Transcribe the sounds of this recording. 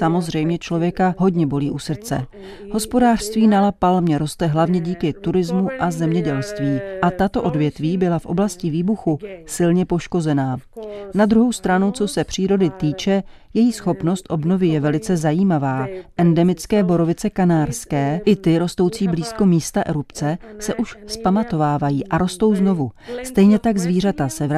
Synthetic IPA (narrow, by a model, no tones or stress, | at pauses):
samozr̝ɛjmɲɛt͡ʃlo̞vjɛkaɦo̞ɟɲɛbo̞liːʔusr̩t͡sɛ̰ | ɦo̞spo̞daːr̥st̪viːnalapalmɲɛɾo̞st̪ɛɦlavɲɛɟiːkɪt̪uɾɪzmuʔazɛmɲɛɟɛlst̪viːʔat̪at̪o̞ʔo̞dvjɛt̪viːbɪlafʔo̞̰blascɪviːbuxusɪlɲɛpo̞ʃko̞zɛnaːnad̪ɾuɦo̞wst̪ɾanut͡sosɛpr̝̥iːɾo̞dɪt̪iːt͡ʃɛ | jɛjiːsxo̞pno̞st̪ʔo̞bno̞vɪjɛvɛlɪt͡sɛzajiːmavaːʔɛndɛmɪt͡skɛːbo̞ɾo̞vɪt͡sɛkanaːɾskɛːʔɪt̪ɪɾo̞st̪o̞wt͡siːbliːsko̞miːst̪aʔɛɾupt͡sɛsɛʔuʃspamat̪o̞vaːvajiːʔaɾo̞st̪o̞wzno̞vust̪ɛjɲɛt̪aɡzviːr̝at̪asɛv